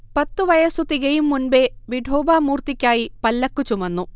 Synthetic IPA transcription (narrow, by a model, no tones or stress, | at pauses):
pɐt̪ːuʋɐjɐsut̪iɣɐjumːunbe̞ʋiɖʱoːbaːmuːrt̪ikʲːaːjipɐlːɐkːut͡ɕumɐnːu